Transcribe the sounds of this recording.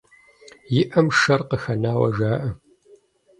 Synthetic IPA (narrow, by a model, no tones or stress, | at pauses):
jɪʔɐmʃɐrqəxɐnaːwɐ̰ʒaːʔɐ